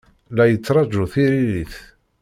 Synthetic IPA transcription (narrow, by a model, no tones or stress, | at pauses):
læjət͡sːɾˤɑd͡ʒʊθiɾiliθ